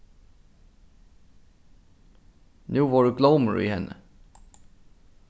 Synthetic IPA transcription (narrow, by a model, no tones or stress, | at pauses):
nʉ̟ːvaɖɵɡlœməɾɪ̰hɛnːʔə̰